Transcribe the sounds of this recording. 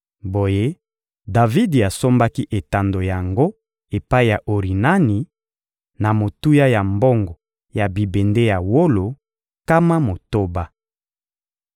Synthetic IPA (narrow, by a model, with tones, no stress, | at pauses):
bo˨je˦ | da˨vi˦di˨a˨so˦mba˦ki˦ʔe˨ta˨ndo˨ja˨ŋɡo˦ | e˨pa˦i˦ja˨ʔo˨ʁi˨na˦ni˨ | na˨mo˨tu˦ja˦ja˨mbo˦ŋɡɔ˨ | ja˨bi˨be˨nde˦ja˨wo˦lo˨ | ka˦ma˦mo˨to˦ba˦